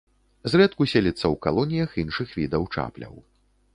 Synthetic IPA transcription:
zrɛt̪kusʲɛlʲit̪sːɐwkalˠɔnʲijɐxinʂɨxvʲid̪ɐwt͡ʂa̰plʲɐ̰w

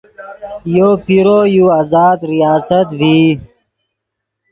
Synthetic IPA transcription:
joːpiɾoːjuazaːd̪ɾijaːsət̪viː

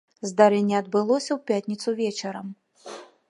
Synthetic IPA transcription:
zd̪aɾɛnʲːɛɐd̪̚bɨlˠɔsʲɐwpʲat̪ʲnʲit̪suvʲɛt͡ʃɐɾɐm

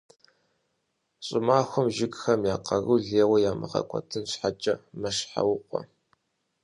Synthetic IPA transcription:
ɕʼɪmaːxʷʊmʒɪɡxɐmjaːqɐɣɨwɮeːwɐjaːmɨ̰χɐ̰kʷʼʰɔ̰tʰɨnɕħat͡ʃʼɐmɐʃħa̰wʊqʷɔ̰

